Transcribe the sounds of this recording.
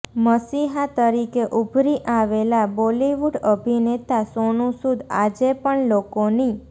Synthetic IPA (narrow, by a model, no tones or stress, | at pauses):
məsiɦat̪əɾikeʔubʱɾiʔaʋelaboliʋuɖəbʱinet̪asonũsud̪ʱa̰d͡ʒepəɳlokoni